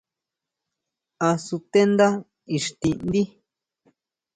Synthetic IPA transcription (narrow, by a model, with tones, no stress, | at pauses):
a˧su˧t̪e˦nd̪a˦ | i˨ʂt̪ĩ˧ʔnd̪i˦